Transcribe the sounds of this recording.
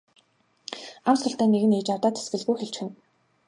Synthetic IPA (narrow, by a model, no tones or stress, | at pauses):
amsrə̆ɬt̪æːnːeɣɘ̆neːt͡ɕart̪aːt̪ʰe̥sɡɘ̆ɮɣujxeɬt͡ɕxɘ̆n